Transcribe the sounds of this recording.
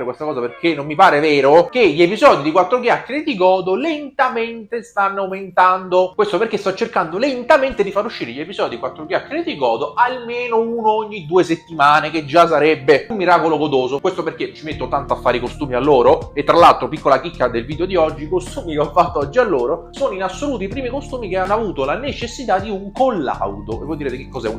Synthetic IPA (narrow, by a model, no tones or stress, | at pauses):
kwest̪akɔːzaperkenːomːipaːɾevɛːɾokeʎːepizɔːd̪id̪ikwat̪ːɾoɡjakːeɾed̪iɡɔːd̪olent̪ament̪est̪anːawment̪and̪okwest̪opeɾrkest̪ɔt͡ʃːerkand̪olent̪ament̪ed̪ifaɾuʃːiːɾeʎːepizɔːd̪id̪ikwat̪ːɾoɡjakːeɾed̪iɡɔːd̪oʔalmeːnounooɲːid̪uːeset̪ːimaːneked͡ʒas̬ːaɾɛbːeumːiɾaːkoloɡod̪oːzokwest̪operkːet͡ʃimet̪ːot̪ant̪oafːaːɾikost̪uːmialːoːɾoet̪ːɾalːalt̪ɾopikːolakikːad̪elviːd̪eod̪iɔd͡ʒːikost̪uːmikeɔfːat̪ːoɔd͡ʒːialːoːɾosoːnoinasːoluːt̪oipɾiːmikost̪uːmikeanːoavuːt̪olanet͡ʃesːit̪ad̪ːiuŋkolːa̰wd̪oevːɔjd̪iɾet̪ekekːɔzɛun